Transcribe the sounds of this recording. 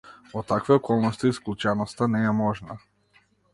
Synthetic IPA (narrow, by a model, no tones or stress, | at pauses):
ɔt̪akvɛɔkɔlˠnɔst̪iːsklˠut͡ʃɛnɔst̪anɛɛmɔʒna